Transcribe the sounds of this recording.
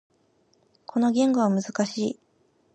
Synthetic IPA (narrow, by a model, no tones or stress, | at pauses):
kʰo̞no̞ɡʲẽ̞ŋɡoβamɯ̟zɨkaɕiː